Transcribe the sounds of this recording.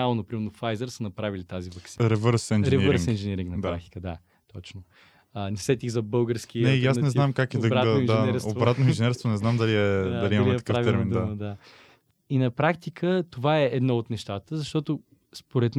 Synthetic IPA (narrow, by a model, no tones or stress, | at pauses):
alˠonɐpɾimɛɾnofajzɛɾsənɐpɾavilit̪azivɐsiɾɛvəɾsɛnɾɛvəɾŋsinʒɛnɛɾiŋknɐdpɾak̚t̪i̥kəd̪a | t̪ɔt͡ʃno | ənɛsɛt̪iɣzɐbɤlˠɡəɾsk̟inɛjasnɛzamkakɛɐbɾaat̪oind̪ɛaɛɾsovbɾat̪noinʒɛnɛɾst̪vonɛznamd̪ɐliɛd̪aɐliimɐmliɛit̪pkəaviɛɾmind̪d̪məd̪a | inɐpɾakt̪ikʰət̪ovaɛɛd̪nɔot̪nɛʃt̪at̪əzɐʃt̪ɔt̪o | spoɾɛt̪m